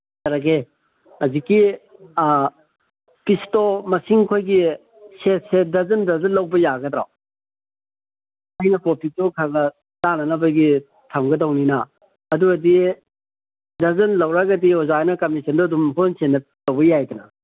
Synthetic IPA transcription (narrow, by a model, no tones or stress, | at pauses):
tɐɾɐɡe | ɐziki | pistomɐsiŋkʰojɡi | set̚sedɐzɐndɐzɐnlɐwbɐjaɡɐdɾa̰w | ajnɐpopʰitokʰaɡɐ | d̥anɐnɐbɐjɡi | tʰɐmɡɐdɐwninɐː | duɐdi | dɐzɐnlɐwɾaɡɐdiɔzanɐkɐmisɐndɔdumpʰonsenɐtɐwbɐjajdɐnɐ